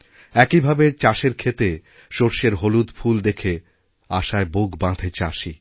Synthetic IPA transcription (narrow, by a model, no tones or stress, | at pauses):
ɛkibʱabet͡ɕaʃeɾkʰet̪e | ʃoɾʃeɾɦolud̪fʰuld̪ekʰe | aʃaeboɡbãd̪ʱet͡ɕaʃi